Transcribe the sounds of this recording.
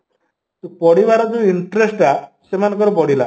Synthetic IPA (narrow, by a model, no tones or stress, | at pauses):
upɔɽibaɾɔd͡ʒoiɳʈɾesʈasemanɔŋkɔɾɔpɔɽila̰